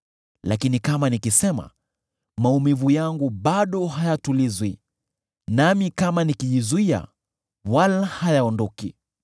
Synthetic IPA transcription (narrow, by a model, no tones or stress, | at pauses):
lakinikamanikisɛma̰ | maumivujaŋɡuɓaɗɔɦajatulizwi | namikamanikiʄizuia̰ | walahajaɔndɔki